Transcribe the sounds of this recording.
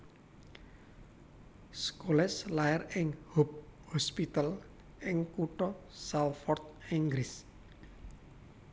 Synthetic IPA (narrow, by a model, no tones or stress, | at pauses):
skolɛslaɪrɪŋhop̚hɔspit̪al | ʔɪŋkuʈɔsalfɔrt̪̚ɪŋɡɾɪs